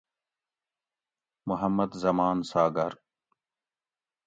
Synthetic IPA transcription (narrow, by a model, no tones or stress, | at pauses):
mʊɦəmːəd̪zɐmaːnsaːɡɐɾ